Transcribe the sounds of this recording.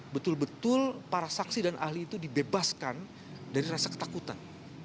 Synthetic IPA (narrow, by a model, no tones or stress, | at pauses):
bət̪ʊlbət̪ʊlpaɾasaksidanʔa̰hliːt̪udibebaskan | daɾiɾasakə̥t̪akut̪a̰n